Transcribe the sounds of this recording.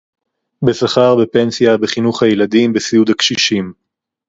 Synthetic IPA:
be̞saχaʁbe̞pe̞nsijabeχinuχhajelad̪imbesiud̪akʃiʃim

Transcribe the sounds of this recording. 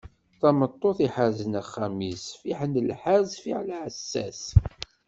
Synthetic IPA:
θɑmət̪ˤːoθiħaɾzənæχːamisfiħənəlħazfiʕlæʕəsːæ̰s

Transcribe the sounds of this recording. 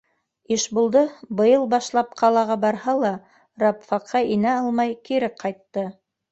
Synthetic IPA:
iʃbulˠd̪ɤbɤ̆jɤlˠbɑʃlˠɑp̚qʰɑlˠɑʁɑbɑɾhɑlˠɑ | ɾɑpfɑqʰːɑinæɑlˠmɑjkiɾɘqɑjt̪ːɤ

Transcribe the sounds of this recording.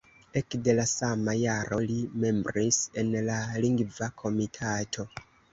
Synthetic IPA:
e̞kde̞lasamajaɾo̞lime̞mbɾise̞nlaliŋɡvakʰo̞mitʰatʰo̞

